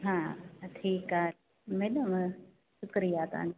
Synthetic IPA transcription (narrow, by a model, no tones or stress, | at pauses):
ɦãːʈʰiːkaː | meːnəm | ʃʊkɾijaːt̪ã̰ːn